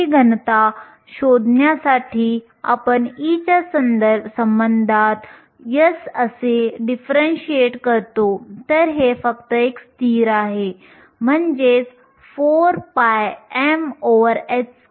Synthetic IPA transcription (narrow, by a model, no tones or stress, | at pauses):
iɡʱənət̪a | ɕod̪ʱnjasaʈʰiː | a̰pəɳit͡ɕasənd̪əɾbʱsəmbənd̪ʱat̪ | jəsəseɖifɾənɕieʈkəɾt̪ot̪əɾɦefəkt̪əekst̪iːɾaɦe | m̤əɳd͡zes | foɾpajɛmoʋəɾes